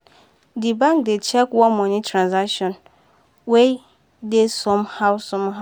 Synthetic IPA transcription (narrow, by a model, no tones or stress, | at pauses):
dibãŋk̚det͡ʃʰɛkwɔ̃nmɔ̃ɲɪ̃tʰɾãnsakʃɔ̃n | wej | desɔ̃mhawsɔ̃mɦa